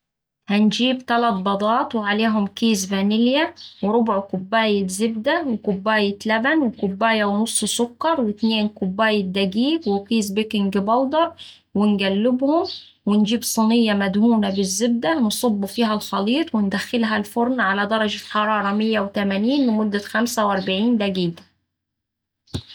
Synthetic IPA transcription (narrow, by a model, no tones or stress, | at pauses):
hand͡ʒiːbt̪alæt̪̚bɑd̪ˤɑːt̪ˤwɪʕaleːɦʊmkiːzvanɪljawɪɾʊbʊʕkʊbːaːjɪzɪb̚d̪awɪkʊbːaːjɪt̪læbænwɪkʊbːaːjawnʊsˤːsʊkːɑɾˤwɪt̪neːnkʊbːaːjɪd̪aɡiːfwɪkiːzbɪkɪŋɡbɑld̪ɑɾˤ | wɪnɡælːɪbhʊm | wɪnd͡ʒiːbsˤɨnɪjːɑmæd̪huːnabɪzːɪb̚d̪awnsˤɑbːufiːɦælxɑliːt̪ˤwɪnd̪æxːɪlɦælfʊɾnʕalad̪ɑɾˤɑd͡ʒaħɑɾˤɑːɾˤɑmɪjːawt̪æmaniːnmɪnmʊd̪ːaxæmsawʔɑɾˤbaʕiːnd̪æɡiːd̪